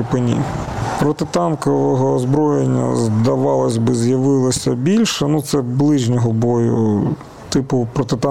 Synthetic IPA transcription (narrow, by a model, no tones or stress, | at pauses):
pɪnʲḭpɾɔt̪ɪt̪ɑnkɔʋɔɦɔːzbɾɔjenʲːɐ̰zd̪ɐʋɑlˠɐsʲbɪzjɐʋɪlˠɔsʲɐbʲilʲʃɛnut̪sɛblˠɪʒnʲɔɦɔbɔjʊ̰ | t̪ɪpʊpɾɔt̪ɪt̪ɑ